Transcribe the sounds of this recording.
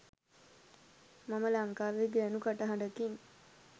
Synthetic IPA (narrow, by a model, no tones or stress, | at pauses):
maməlaŋkaːʋeɡeanukaʈəɦaɳɖəkin